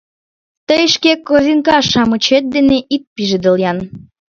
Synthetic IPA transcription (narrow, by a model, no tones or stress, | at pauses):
t̪əjəʃkekːozʲiŋkɑʃɑmət͡ɕet̪̚d̪eneʔit̪̚piʒed̪ə̆ljɑn